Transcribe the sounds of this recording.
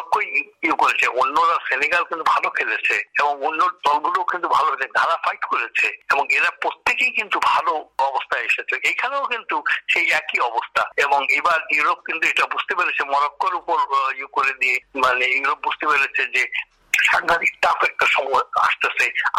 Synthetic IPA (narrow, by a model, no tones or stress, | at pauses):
kːojjukoɾet͡ɕʰeʔonːoɾaseniɡalkint̪ubʱalokʰelet͡ɕʰeeboŋonːod̪ɔlɡulokint̪ubʱalokʰeeɡʱaɾafajʈkoɾet͡ɕʰeeboŋeɾapɾot̪ːekejkint̪ubʱaloɔbost̪ʰaeʃet͡ɕʰeejkʰaneokint̪uʃejɛkiɔbost̪ʰaeboŋebaɾuɾop̚kint̪ueʈabud͡ʑt̪epeɾet͡ɕʰemɔɾokːoɾupoɾjukoɾed̪ijemanejuɾop̚bud͡ʑt̪epeɾet͡ɕʰed͡ʑe | ʃaŋɡʱat̪iksʈafɛk̚ʈaʃɔmɔja̰ʃt̪ese